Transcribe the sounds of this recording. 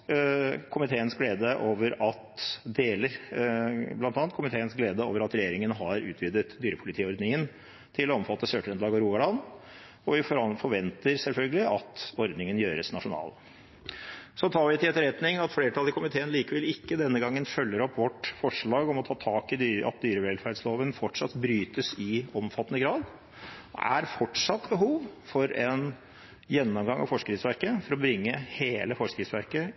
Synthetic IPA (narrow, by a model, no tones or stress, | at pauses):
kʰʊmɪt̪ʰeːənsɡleːd̪əʔoːʋəɾɑt̪d̪eːləɾ | blɑnt̪ɑːnt̪kʊmɪt̪ʰeːənsɡleːd̪əo̰ːʋəɾɑt̪ɾɛjeːɾɪŋənɦɑɾʉ̰ːt̪ʰʋɪd̪ət̪d̪yːɾəpʰʊlɪt̪ʰiːɔɾd̪nɪŋən | t̪ʰɪlɔɔmfɑt̪ːəsøːʈɾɛnd̪lɑːɡɑɾuːɡɑlɑn | ɔʋɪffɔɾʋɛnt̪əɾsɛlfœlɡəlɪʔɑt̪ɔɾd̪nɪŋənjøːɾə̰snɑʂʊnɑ̰ːl | sɔt̪ʰɑːɾʋɪt̪ɪlɛt̪ːəɾɛt̪nɪŋɑt̪fleːɾəʈʰɑləkʊmɪt̪ʰeːənliːkəʋɛlɪkːəd̪ɛnːəɡɑŋːənfœlːəɾɔpːʋɔʈfɔʂɭɑːɡɔmɔt̪ʰɑːt̪ʰɑːkɪd̪yːɑ̰t̪̚d̪yːɾəʋɛlfæɖsloːʋənfɔʈʂɑt̪ːbɾyːt̪əsɪɔmfɑt̪ːənəɡɾɑːd̪ | ɔ̰æ̰ɾfɔʈʂɑt̪ːbəɦuːʋfɔɾɛn | jɛnːɔmɡɑŋɑ̰fɔʂkɾɪsʋæɾkəfɔɾɔbɾɪŋːəheːləfɔʂkɾɪsʋæɾkə